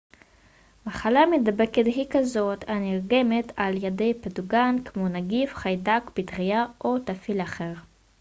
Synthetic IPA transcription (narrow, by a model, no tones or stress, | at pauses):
maχalamedabe̞ketɦikazo̞taniʁɡe̞metʰaljede̞jpeduɡankmonaɡifχajdakbitʁijaʔo̞tafilaχe̞ʁ